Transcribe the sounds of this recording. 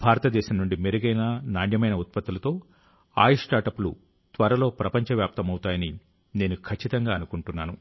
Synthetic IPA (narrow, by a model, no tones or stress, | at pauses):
bʱaːɾɐt̪ɐd̪ɛːʃɐmnuɳɖimeɾuɡɐjnaːnaːɳjɐmɐjnɐut̪̚pɐt̪ːulɐt̪o̞ː | a̰ːjiʂʈaːɾʈɐpːlṵ | t̪ʋɐɾɐlo̞ːpɾɐpɐɲt͡ʃɐʋjaːp̚t̪ɐmɐwut̪aːjɐni | ne̞ːnukʰɐt͡ʃːit̪ɐŋɡaːɐnukuɳʈunːaːnu